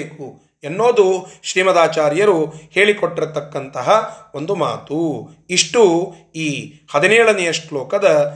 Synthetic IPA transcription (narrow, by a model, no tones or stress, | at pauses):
eːku | enːo̞ːd̪uʃɾiːmɐd̪aːt͡ʃaːɾjɐɾuhe̞ːɭikoʈːiɾt̪ːɐkːɐnt̪ɐɦɐo̞nd̪uma̰ːt̪u | iʂʈu | iːhɐd̪inɛːɭɐnijɐʂʈlɔːkɐd̪ɐ